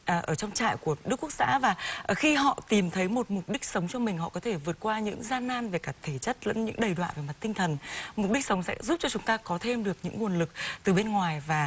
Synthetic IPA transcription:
ʔːʔəː˧˩t͡ɕɔ˧wŋ͡mt͡ɕa̰ː˧˨jku˧˩əɗɨ˦˥əkːu˦˥ək̚sa̰ː˧˥vaː˨˩ʔəː˧˩xi˧ɦɔ̰˧˨t̪i˨˩mt̪ʰə˨˦jmo˨˩t̚mʊ˨˩k͡p̚ɗï˦˥k̟̚sə˨˦wŋ͡mt͡ɕɔ˧mï˨˩ŋ̟ɦɔ̰˧˨kɔ˨˦t̪ʰe˧˩vɨ˨˩ət̚kwaː˧ɲɨ̰˧˥ŋzaː˧naː˧nve˨˩kaː˧˩t̪ʰe˧˩t͡ɕə˦˥t̚lə̰˧˥nɲɨ̰˧˥ŋɗə˨˩jɗwa̰ː˧˨nve˨˩ma˨˩t̚t̪ï˧ŋt̪ʰə˨˩nmʊ˨˩k͡p̚ɗi˦˥k̚sə˨˦wŋ͡msɛ̰˧˥zu˦˥p̚t͡ɕɔ˧t͡ɕʊ˨˦ŋ͡mt̪aː˧kɔ˨˦t̪ʰe˧mɗɨ˨˩ək̚ɲɨ̰˧˥ŋːu˨˩ənlɨ˨˩k̚t̪ɨ˨˩ɓe˧nŋwaː˨˩jvaː˨˩

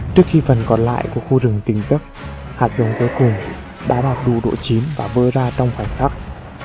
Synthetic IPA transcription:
t͡ɕɨ˦˥ək̚xi˧fə˨˩nkɔ˨˩nla̰ː˧˨jku˧˩əkxu˧zɨ˨˩əŋt̪ï˨˦ŋzə˦˥k̚haː˨˩t̚zə˨˦wŋ͡mku˨˦jkʊ˨˩ŋ͡m | ɗa̰ː˧˥ɓaː˨˩t̚ɗṵ˧˨ɗo̰˧˨t͡ɕi˨˦nvaː˨˩vəː˧zaː˧t͡ɕɔ˧wŋ͡mxwa˧˩jŋ̟xaː˦˥k̚

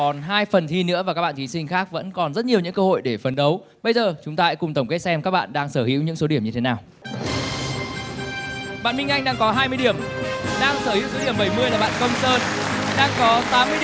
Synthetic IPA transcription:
ɔ˨˩nɦaː˧jfə˨˩nt̪ʰi˧nɨ̰˧˥əvaː˨˩kaː˦˥ɓa̰ː˧˨t̪i˨˦sï˧ŋ̟xaː˦˥k̚və̰˧˥nkɔ˨˩nzə˦˥t̚ɲi˨˩əwɲɨ̰˧˥ŋkəː˧ho̰˧˨jɗe˧˩fə˨˩nɗə˨˦w | ɓə˧jzəː˨˩t͡ɕʊ˨˦ŋ͡mt̪aː˧ɛ̰˧˥kʊ˨˩ŋ͡mt̪ə˧˩wŋ͡mke˦˥t̚sɛ˧mkaː˦˥k̚ɓa̰ː˧˨nɗaː˧ŋsəː˧˩hḭ˧˥wɲɨ̰˧˥ŋso˨˦ɗi˧˩əmɲɨ˧t̪ʰe˨˦naː˨˩w | ɓa̰ː˧˨nmï˧ŋ̟ʔa˧jŋ̟ɗaː˧ŋkɔ˨˦ɦaː˧jmɨ˧əjɗi˧˩əmɗaː˧ŋsəː˧˩hḭ˧˥wso˨˦ɗi˧˩əmɓə˧˩jmɨ˧əjlaː˨˩ɓa̰ː˧˨kə˧wŋ͡msəː˧nɗaː˧ŋkɔ˨˦t̪aː˨˦mːɨ˧

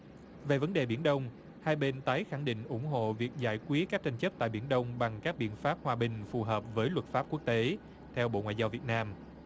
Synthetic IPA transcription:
ve˨˩və˨˦nɗe˨˩ɓi˧˩ənɗə˧wŋ͡m | haː˧jɓe˧nt̪aː˨˦jxa˧˩ŋɗḭ̈˧˨ŋ̟ʔʊ˧˩ŋ͡mɦo̰˧˨vi˨˩ək̚za̰ː˧˩jkwi˦˥ət̚kaː˦˥k̚t͡ɕa˧ŋ̟t͡ɕə˦˥p̚t̪a̰ː˧˨jɓi˧˩ənɗə˧wŋ͡mɓa˨˩ŋkaː˦˥k̚ɓḭ˧˨ənfaː˦˥p̚hwaː˧ɓï˨˩ŋ̟fu˨˩ɦəː˨˩p̚vəː˨˦jlwə˨˩t̚faː˦˥p̚ku˦˥ək̚t̪e˨˦ | t̪ʰɛ˧wɓo̰˧˨ŋwa̰ː˧˨jzaː˧wvi˨˩ət̚naː˧m

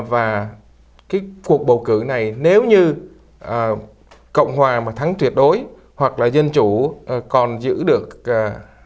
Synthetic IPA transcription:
vaː˨˩ | kaː˨˦jku˨˩ək̚ɓə˨˩wkɨ˧˩na˨˩jne˨˦wɲɨ˧ | ʔəː˨˩ | kə̰˧˨wŋ͡mɦwaː˨˩maː˨˩t̪ʰa˨˦ŋt̪wi˨˩ət̚ɗo˨˦j | hwa˨˩k̚laː˨˩zə˧nt͡ɕu˧˩ʔkɔ˨˩nzɨ̰˧˥ɗɨ˨˩ək̚ː

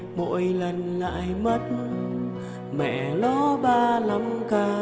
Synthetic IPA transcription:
mo̰˧˨jlə˨˧˩nla̰˧˨jmə˦˥t̚ | mɛ̰˧˨lɔ˨˦ɓaː˧la˨˦mkaː˧

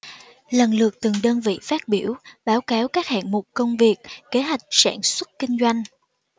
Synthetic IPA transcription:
lə˨˩nlɨ˨˩ək̚t̪ɨ˨˩ŋɗəː˧nvḭ˧˨faː˦˥t̚ɓi˧˩əwɓaː˨˦wkaː˨˦wkaː˦˥k̚ha̰ː˧˨nmʊ˨˩k͡p̚kə˧wŋ͡mvi˨˩ək̚ke˨˦ɦwa˨˩jk̟̚sa̰ː˧˩nswə˦˥t̚kï˧ŋ̟zwa˧jŋ̟

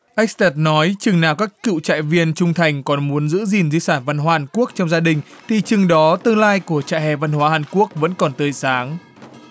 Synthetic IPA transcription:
ʔa˦˥k̚st̪ɛ˦˩t̚nɔ˨˦jt͡ɕɨ˨˩ŋnaː˨˩wkaː˦˥kkɨ̰˧˨wt͡ɕa̰ː˧˨jvi˧ənt͡ɕʊ˧ŋ͡mt̪ʰa˨˩jŋ̟kɔ˨˩nmu˨˦ənzɨ̰˧˥zi˨˩nzi˧saː˧˩nva˧nɦwaː˦aː˨˩nku˦˥ək̚t͡ɕɔ˧wŋ͡mzaː˧ɗï˨˩ŋ̟ | t̪ʰḭ˧˨t͡ɕɨ˨˩ŋɗɔ˨˦t̪ɨ˧əŋlaː˧jku˧˩ət͡ɕa̰ː˧˨jhɛ˨˩va˧nhwaː˨˦haː˨˩nku˦˥ək̚və̰˧˥nkɔ˨˩nt̪əː˨˩jsaː˨˦ŋ

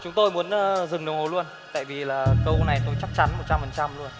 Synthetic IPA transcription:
t͡ɕʊ˨˦ŋ͡mt̪o˧jmu˨˦ənː˧zɨ˨˩ŋɗwho˨˩lu˧ən | t̪a̰ː˧˨jvi˨˩laː˨˩kə˧wna˨˩jt̪o˨˧jt͡ɕa˦˥k̚t͡ɕa˨˦nmo˨˩t̚t͡ɕa˧mfə˨˩nt͡ɕa˧mlu˧ən

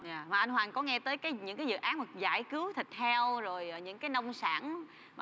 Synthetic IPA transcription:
zaː˨˩maː˨˩ʔa˧nhwaː˨˩nkɔ˨˦ŋɛ˧t̪əː˨˦jkaː˨˦jɲɨ̰˧˥ŋkaː˨˦jzɨ̰˧˨ʔaː˨˦nmə˨˩k̚za̰ː˧˩jkɨ˨˦wt̪ʰï˨˩k̟̚t̪ʰɛ˧wzo˨˩jːɲɨ̰˧˥ŋkaː˨˦jnə˧wŋ͡msa̰ː˧˩n | m˨

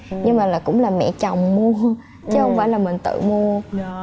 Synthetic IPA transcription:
ɲɨ˧ŋmaː˨˩laː˨˩kʊ̰˧˥ŋ͡mlaː˨˩mɛ̰˧˨t͡ɕa˨˩wŋ͡mmu˧ə | t͡ɕɨ˨˦hə˧wŋ͡mfaː˧˩jlaː˨˩mï˨˩ŋ̟t̪ɨ̰˧˨mu˧ə

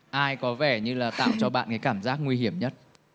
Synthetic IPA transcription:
ʔaː˧jkɔ˨˦vɛ˧˩ɲɨ˧laː˨˩t̪a̰ː˧˨wt͡ɕɔ˧ɓa̰ː˧˨nka˨˦kaː˧˩mzaː˦˥k̚ŋwi˧ɦi˧˩əmɲə˦˥t̚

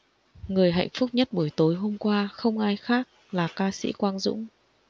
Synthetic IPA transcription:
ŋɨ˨˩əjɦa̰˧˨jŋ̟fʊ˦˥k͡p̚ɲə˦˥t̚ɓu˧˩əjt̪o˨˦jɦo˧mkwaː˧xə˧wŋ͡mʔaː˧jxaː˦˥k̚ | laː˨˩kaː˧sḭ˧˥kwaː˧nzʊ̰˧˥ŋ͡m

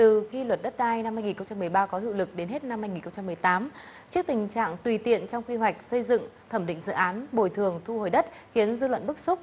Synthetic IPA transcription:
t̪ɨ˨˩xi˧lwə˨˩t̚ɗə˦˥t̚ɗaː˧jna˧mhaː˧jŋi˨˩nxə˧wŋ͡mt͡ɕa˧mːɨ˨˩əjɓaː˧kɔ˨˦ɦḭ˧˨wlɨ˨˩k̚ɗe˨˦nɦe˦˥t̚na˧mhaː˧jŋi˨˩nxə˧ŋ͡mt͡ɕa˧mːɨ˨˩əjt̪aː˨˦m | t͡ɕɨ˦˥ək̚t̪ï˨˩ŋ̟t͡ɕa̰ː˧˨ŋt̪wi˨˩t̪ḭ˧˨ənt͡ɕɔ˧wŋ͡mkwi˧ɦwa˨˩jk̟̚sə˧jzɨ̰˧˨ŋt̪ʰə˧˩mɗḭ̈˧˨ŋ̟zɨ̰˧˨ʔaː˨˦nɓo˨˩jt̪ʰɨ˨˩əŋt̪ʰu˧ho˨˩jɗə˦˥t̚xi˨˦ənzɨ˧lwə̰˧˨nɓɨ˦˥k̚sʊ˦˥k͡p̚

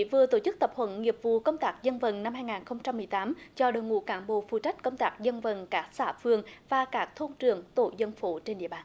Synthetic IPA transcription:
vɨ˨˩ət̪o˧˩t͡ɕɨ˦˥k̚t̪ə˨˩p̚hwə̰˧˩˦nŋi˨˩əp̚vṵ˧˨kə˧wŋ͡mt̪aː˦˥k̚zə˧nvə˨˩nna˧mhaː˧jŋaː˨˩nxə˧wŋ͡mt͡ɕa˧mːɨ˨˩əjt̪aː˨˦mt͡ɕɔ˧ɗoː˨˩jŋṵ˧˥kaː˧˩nɓo̰˧˨fṵ˧˨˩t͡ɕa˦˥k̟̚kə˧wŋ͡mt̪aː˦˥k̚zə˧nvə˨˩nkaː˦˥k̚sa̰ː˧˩fɨ˧əŋvaː˨˩kaː˦˥k̚t̪ʰo˧nt͡ɕɨ̰˨˩əŋt̪o̰˧˩zə˧nfu˧˩˦t͡ɕe˧nɗḭ˧˨əɓaː˨˩n

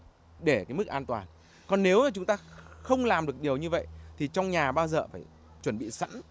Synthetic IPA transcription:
ɗe˧˩kaː˨˦jm˦˥k̚ʔaː˧nt̪waː˨˩n | kɔ˨˩nːe˨˦wa˨˩t͡ɕʊ˨˦ŋ͡mt̪aː˧xə˧wŋ͡mlaː˨˩mɗɨ˨˩ək̚ɗi˨˩əwɲɨ˧və̰˧˨jt̪ʰi˨˩t͡ɕɔ˧wŋ͡mɲaː˨˩ɓaː˧wzə̰ː˧˨˩faː˧˩j | t͡ɕwə˧˩nɓḭ˧˨sa̰˧˥n

